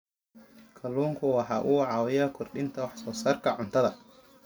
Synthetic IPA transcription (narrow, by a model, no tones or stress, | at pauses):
kʰɐlːuːŋkʰʊwɑħɑːʔuːʕɑːwɛjɐkʰɔrɗɪnt̪ʰɐwɑħsɔːsaːrkʰɐʕʊnt̪ʰɐðɐ